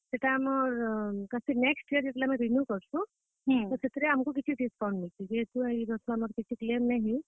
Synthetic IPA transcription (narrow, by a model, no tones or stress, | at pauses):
seʈaːmɔɾkasineksʈiəɾd͡ʒet̪lamɔ̃ɾimjukɔɾsʰũ | t̪ɔset̪ɾeamkuk̬it͡ʃʰiʈiskawɳɖmilt̪id͡ʒeet̪uaid͡ʒɔt̪ʰɔamɔɾkit͡ʃʰiklemnaɦĩ